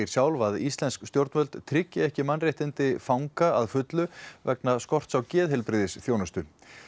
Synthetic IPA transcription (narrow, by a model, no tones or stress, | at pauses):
ɾ̥sjaːwlvaðist̪lɛnskst̪jowɾt̪vœlt̪t̪ʰɾɪcːɪɛhcɪmanːrjɛht̪ɪnt̪ɪfawŋkaaðfʏt̪lʏvɛknaskɔr̥t̪sawcɛːðhɛlpɾɪðɪsθjoːwnast̪ʏn